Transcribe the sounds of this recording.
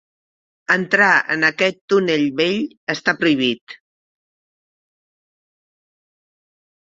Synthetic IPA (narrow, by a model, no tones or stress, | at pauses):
ənt̪ɾaə̰nəkɛt̪ːuneʎβeʎ | əst̪apɾuiβ̞it̪